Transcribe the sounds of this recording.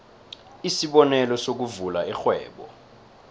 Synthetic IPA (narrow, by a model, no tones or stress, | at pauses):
isiɓɔnɛlɔsok̬uvulaɛxwɛ̰ːɓɔ̰